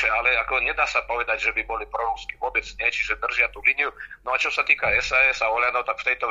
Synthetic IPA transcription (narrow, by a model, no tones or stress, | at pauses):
ɛalɛakɔɲɛd̪aːsapɔʋɛd̪aɟʒɛbibɔlipɾɔɾuskiʋʊɔbɛt͡sɲɛt͡ʃiʒɛd̪r̩ʒɪat̪uːlinijunɔat͡ʃɔsat̪iːkaɛsaɛsaɔlɪanɔʊt̪akft̪ɛjt̪ɔ